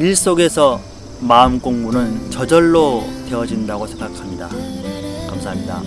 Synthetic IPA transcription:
iɭs͈oɡe̞sʰʌ | maɯmk͈oŋmunɯnt͡ɕʌd͡ʑʌɭːote̞ʌd͡ʑindaɡosʰe̞ŋɡakʰamɲida̰ | kamsʰaɦamɲida̰

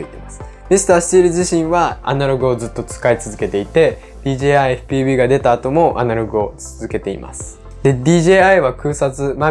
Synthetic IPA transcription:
ɯit̪e̞masɨ̥ | misɨ̥t̪aːsɨ̥iɾɯ̟ʑiɕĩɰ̃βaa̰naɾo̞ɡɯ̟o̞zɨt̪ːo̞t͡sɨ̥kait͡sɨzɨke̞t̪e̞it̪e̞ | d̪̥ʲiːʑeːaieɸɯ̟̥pʲiːbʲiːɡad̪e̞t̪aːt̪o̞mo̞ʔa̰naɾo̞ɡɯ̟o̞t͡sɨzɨke̞t̪e̞ḭmʔa̰sɨ̥ | d̪e̞d̪ʲiːʑeːaiβakɯ̟ːsat͡sɨma

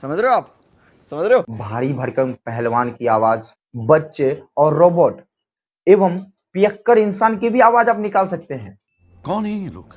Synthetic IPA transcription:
sɐməd͡ʒɾeoaːp | sɐməd͡ʒɾeobʱaːɾibʱɐɾkəpɛɦɛlʋaːnkiaːʋaːd͡ʒ | bɐtːʃeɔːɾːoːboːʈ | eːʋəm | pijəkːəɾɪnsaːnkibʱiaːʋaːd͡ʒaːpnɪkaːlsɐk̚t̪eɦɛ̃ː | kɔːnɦiɾʊ̰k

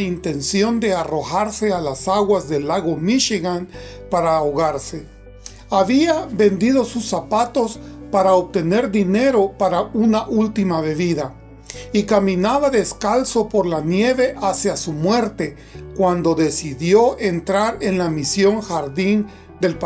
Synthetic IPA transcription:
int̪e̞nsjo̞nd̪e̞aro̞xaɾse̞alasaɣwazðe̞lːaɣo̞miʃiɣan | paɾaːoɣaɾse | aβiabe̞nd̪iðo̞susapat̪o̞spaɾaopt̪e̞ne̞ɾd̪ine̞ɾo̞paɾaunaʔult̪imaβe̞βiða | ikamĩnaβaðe̞skalso̞po̞ɾlanje̞βe̞ʔasjasumwe̞ɾt̪e̞ | kwand̪o̞ðe̞siðjo̞ʔent̪ɾaɾenlamisjo̞ŋxaɾðin | d̪elp

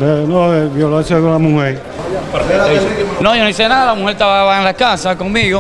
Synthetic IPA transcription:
d̪enoeβjolasjakõnlamuheɾ | peɾet̪oisnõjonoisenaðalamuheɾt̪aβaaβaenlakasakoŋmiɣo

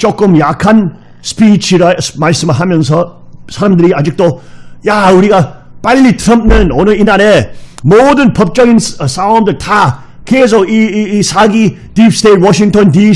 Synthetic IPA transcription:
t͡ʃɔkːɔmjakʰan | spit͡ʃʰiɾasmasimaɦamjɐŋsɔsaɾəməd̪ɾiad͡ʒɯk̚tɔjauɾiɡapalːitʰɾəmp̚nɯnɔnɔinaɾemɔdənpʰəp̚t͡ʃɔjnssawmdɐtʰa | kʰezɔisaɡi | d̥ipstet̚wɔʃiŋtʰɔndi

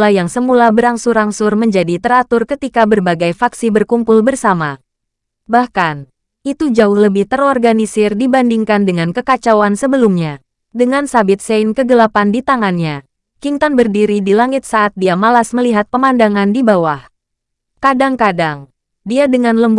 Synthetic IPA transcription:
lajaŋsəmulabəɾaŋsʊɾaŋsʊrməɲd͡ʒadit̪əɾat̪ʊrkət̪ikabərbaɡajfaksibərkumpʊlbərsama | bahkan | it̪ud͡ʒaʊhləbɪht̪əɾɔrɡanisɪrdibandiŋkandəŋankəkat͡ʃawansəbəlumɲa | dəŋansabɪt̪̚seɪnkəɡəlapandit̪aŋanɲa | kiŋt̪anbərdiɾidilaŋɪt̪̚saʔːt̪̚diamalasməliɦat̪̚pəmandaŋandibawah | kadaŋkadaŋ | diadəŋanləmb

